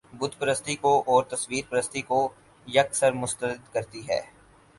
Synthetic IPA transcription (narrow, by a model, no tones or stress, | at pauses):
bʊd̪ʱpɾəst̪ikoʔɔːɾt̪ɐswiːɾpɾəst̪iko | jɐksəɾmʊst̪əɾɪd̪kɐɾt̪iɦɛ̰ː